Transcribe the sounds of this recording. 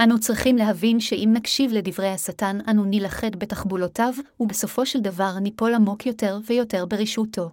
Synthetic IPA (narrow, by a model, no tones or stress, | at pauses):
ʔanut͡sʁiχimleɦavinʃe̞ʔimnakʃivle̞divʁe̞jhasatananunilaχe̞dbe̞taχbulo̞tavube̞so̞fo̞ʃeldavaʁnipo̞lamo̞kjo̞te̞ʁvejo̞te̞ʁbeʁiʃutʰo̞